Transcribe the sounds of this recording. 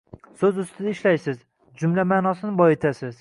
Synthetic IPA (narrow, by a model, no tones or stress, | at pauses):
sɵzʊst̪ʰɪd̪aɪʃlajsɪz | d͡ʒʊmlamaːnɒsɪnɪbɒjet̪ʰasɪz